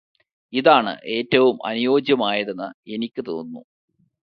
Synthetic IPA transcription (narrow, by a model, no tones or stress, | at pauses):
iðaːɳɨ̰ʔe̞ːtːɐʋumʔɐ̰nujo̞ːd͡ʑjɐmaːjɐðenːɨe̞nikʲːɨt̪o̞̰ːnːṵ